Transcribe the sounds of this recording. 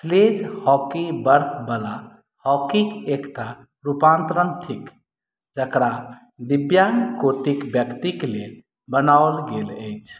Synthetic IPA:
sled͡ʒhɔkibəɾt̪ʰbəla | hɔkikekʈa | ɾupant̪ɾənt̪ʰik | d͡ʒəkɾa | d̪ibjankoʈikbjəkt̪ikle | bənaolɡeləjt͡ʃʰ

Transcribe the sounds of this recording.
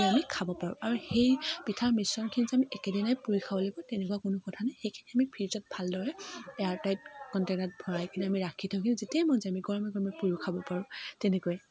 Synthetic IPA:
amikʰabɔpaɹʊ̰aɹuxejpitʰaɹmisɔnkʰinizɛamiʔɛkɛdinajpuɹikʰabɔlebɔtɛnɛkuwakʊnʊkɔtʰanajxejkʰiniamipʰiɹizɔt̚bʱaldɔɹɛɛaɹtajt̚kɔntenat̚bʱɔɹajkʰinamiɹakʰitʰɔɦʊkinuzetiamɔnzɛamiɡɔɹɔmɛɡɔɹɔmɛpuɹukʰabɔpaɹʊ̃tɛnɛkuɛ

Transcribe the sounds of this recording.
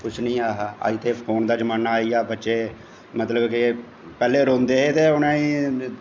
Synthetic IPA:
kʊt͡ʃʰnĩːaːɦaːa̰ːiːt̪eːpʰoːnd̪aːd͡ʒəmaːnaːiːaːbətːʃeː | mət̪ləbkɪ | pɛːleːɾõːnd̪eːɦet̪eːʊnãːiː

